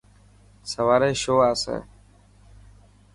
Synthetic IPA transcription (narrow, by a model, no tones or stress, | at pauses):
səʋaːɾeːʃoːaːsḛː